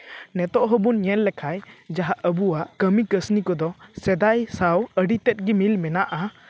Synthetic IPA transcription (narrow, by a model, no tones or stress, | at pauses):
nɛt̪ɔʔɦəbunɲɛnlɛkʰajd͡ʒaɦaʔəbuwaʔkəmikəsnikɔd̪ɔsɛd̪ajsawəɖit̪ɛt̪̚ˀɡimilmɛnaʔa